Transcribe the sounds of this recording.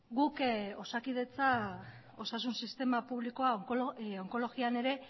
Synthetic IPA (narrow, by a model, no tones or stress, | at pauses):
ɡuko̞sakiðe̞t͡sa | o̞sasunsist̪e̞mapuβlikoaoŋko̞lo̞ɣiane̞ɾe̞